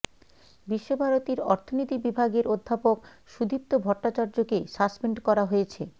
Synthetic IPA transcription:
biʃːobʱaɾot̪iɾɔɾt̪ʰonit̪ibibʱaɡeɾod̪ʱːapok | ʃud̪ʱip̚t̪obʱɔɾʈːat͡ɕaɾd͡ʑokesaspeɳɖkɔɾaɦoet͡ɕʰe

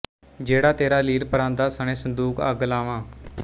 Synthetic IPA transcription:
d͡ʒeːɽaːt̪eːɾaːliːɾpəɾãːnd̪aːsəɳẽːsənd̪uːkə̰ɡlaːʋãː

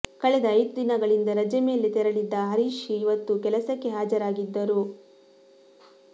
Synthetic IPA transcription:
kɐɭɛd̪ɐːjd̪d̪inɐɡɐɭind̪ɐɾɐd͡ʒɐme̞ːlet̪ɛɾɐɭid̪ːɐɦɐɾiːʃiːʋɐt̪ːukɛlɐsɐkːe̞ɦaːd͡ʒɐɾaːɡid̪ːɐɾu

